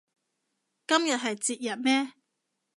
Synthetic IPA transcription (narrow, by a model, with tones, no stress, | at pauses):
kɐ˥mjɐ˨t̚ɦɐ˨jt͡siː˨t̚jɐ˨˩t̚mɛː˥